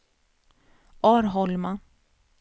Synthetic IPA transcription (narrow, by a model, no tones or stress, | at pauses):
ʔɑːɾɦɔlma